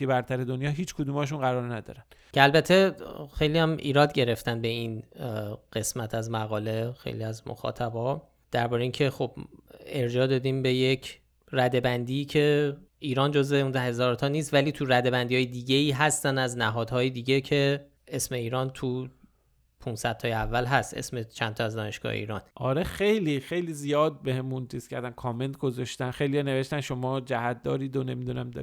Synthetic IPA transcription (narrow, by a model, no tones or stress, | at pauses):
ibæɾt̪ʰæɾed̪onjɒːɦiːt͡ʃkʰod̪uːmɒːʃ̬unɢæɾɒɾnæd̪ɒ̰ːɾæn | cʰeælbæt̪ʰːe̞xe̞jliːjæmʔḭːɾɒːd̪ɟe̞ɾe̞ft̪ænbe̞in | ɢ̥e̞smæt̪ʰæzmæɣɒːle̞xḛjliæzmo̰xɒ̰ːt̪ʰæbɒ | d̪̥æɾbɒːɾeincʰe̞xo̞b̥e̞ɾd͡ʒɒːd̪ɒːd̪iːmbe̞jecʰ | ɾæd̪e̞bænd̪iːcʰe̞iːɾɒːnd͡ʒozeund̪æhe̞zɒːɾt̪ʰɒːniːst̪væliːt̪ʰuɾæd̪e̞bænd̪iːɒːjed̪iɟe̞iːɦæst̪ænæznæɦɒːd̪hɒːjed̪iːɡe̞cʰe̞ | e̞sme̞iːɾɒːnt̪ʰu | pʰunsæd̪̚tʰɒːjeævːælɦæst̪e̞̰smet͡ʃʰænt̪ʰɒæzd̪ɒːne̞ʃɡ̥ɒ̰hḛḭːɾɒ̰ːnʔɒɾexe̞jlixe̞jliːzijɒːd̪̚be̞hemunt͡ʃʰiːskʰʲcʰæ̰ɾd̪ænkʰɒːme̞nt̪̚ɡo̞zɒʃt̪ænxejliɒːne̞ve̞ʃt̪ænʃo̞mɒːd͡ʒæhæt̪̚d̪ɒ̰ːɾiːd̪one̞mid̪unæmd̪ɒ̰ː